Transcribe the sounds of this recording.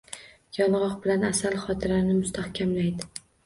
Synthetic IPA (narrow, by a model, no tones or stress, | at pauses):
jɒlˠʁɒqbɪlanasalˠχɒt̪ʰɪɾanɪmʊst̪ʰahkʲʰamlajd̪ɪ